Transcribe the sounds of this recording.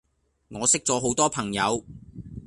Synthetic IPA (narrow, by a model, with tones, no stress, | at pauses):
ŋɔː˨˧sɪ˥k̚t͡sɔː˨˧ɦo˨˥wt̪ɔː˥pʰɐ˨˩ŋjɐ˨˧w